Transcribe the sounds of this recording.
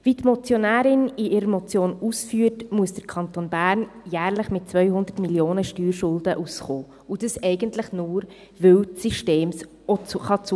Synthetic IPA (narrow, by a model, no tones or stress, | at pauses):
vitmɔt͡sjonæːɾɪniʔɪɾəmɔt͡sjoːnusfyːətmuəsd̥əɾkʰɑnt̪onbæːɾnjæːɾləχmɪt̚t͡svœʏhʊnd̪ətmiljoːnəʃtyːɾʃʊld̥əʔusχoː | ud̥əsɛɪɡəntləχnuːɾ | vɪwtsiʃteːms | ɔt͡sχɑt͡s